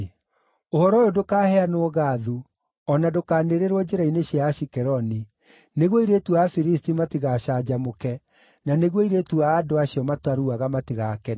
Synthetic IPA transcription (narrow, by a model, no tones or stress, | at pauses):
ohɔɾɔjodokaːhɛanoːɣaːðu | ɔnadokaːneɾeɾwɔd͡ʑeɾaineɕjaʃikɛɾɔni | neɣwoiɾetuafiɾistimatiɣaɕad͡ʑamokɛ | naneɣwoiɾetuaːdoaɕiɔmatwaɾuaɣamatiɣakɛ